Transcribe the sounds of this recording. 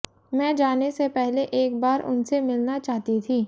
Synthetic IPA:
mɛ̃ːd͡ʒaːnesepɛɦleʔeːk̚baːɾʔʊ̰nsemɪlnat͡ʃaːɦt̪it̪ʰiː

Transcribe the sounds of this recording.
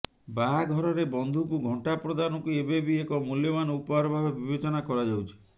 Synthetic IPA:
baɡʱɔɾɔɾebɔnd̪ʱukuɡʱɔɳʈapɾɔd̪anɔkuebebiekɔmuljɔmanɔupɔɦaɾɔbʱabebibet͡ʃɔnakɔɾad͡ʒawt͡ʃʰi̥

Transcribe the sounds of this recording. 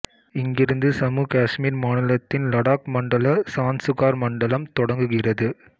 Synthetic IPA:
ɪŋɡɪɾɯnd̪ɯsɐmuːkaːʂmiːɾmaːnɪlɐt̪ːɪnlɐɽaːkmɐɳɖɐlɐsaːnsʊɣaːɾmɐɳɖɐlɐmt̪ɔɽɐŋɡɯɣɪrɐðɯ

